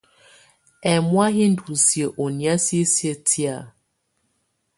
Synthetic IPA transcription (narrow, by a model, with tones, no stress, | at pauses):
ɛ˨mwa˦ɦi˦n̩˦du˨si˨e˨ʔo˨nja˦si˦e˦sje˦tʰi˦a˨